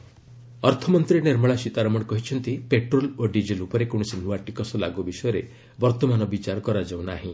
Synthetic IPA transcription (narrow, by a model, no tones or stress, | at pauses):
ɔɾt̪ʰɔmɔnt̪ɾineɾmɔɭ̃asit̪aɾɔmɔɽkɔɦit͡ʃʰɔnt̪ipeʈɾoloɖid͡ʒelupɔɾekoɽ̃ɔsinuaʈikɔsɔla̰ɡubisɔjɔɾe | bɔɾt̪ɔmanɔbit͡ʃaɾɔkɔɾad͡ʒaw̃naɦĩ